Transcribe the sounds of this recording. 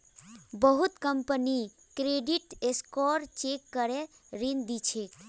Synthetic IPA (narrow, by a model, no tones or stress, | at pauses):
bəɦut̪kəmpəni | kɾeɖiʈeskɔɾt͡ʃekːəɾe | ɾind̪it͡ʃʰek